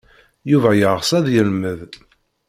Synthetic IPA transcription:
juvæjəʁʁsˤæðjəlməð

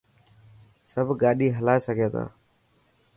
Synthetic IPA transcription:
səbʱɡaːɗiːɦəlaːesəkeːt̪a̰ː

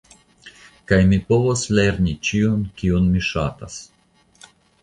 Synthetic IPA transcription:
kajmipo̞vosleɾnit͡ʃiunkiunmiʃa̰ta̰s

